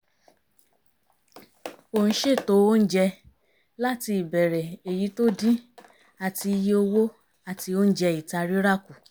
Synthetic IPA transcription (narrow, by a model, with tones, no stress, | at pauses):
o˨n̩˦ʃe˦˨to˨˦o˦n̩˦d͡ʒɛ˧ | la˦ti˧i˨bɛ˨ɾɛ˨e˨ji˨˦to˦dĩ˦ | a˧˨ti˧ji˧o˧wo˦ | a˦˨ti˧o˦n̩˦d͡ʒɛ˧i˨ta˧ɾi˦ɾa˦˨ku˨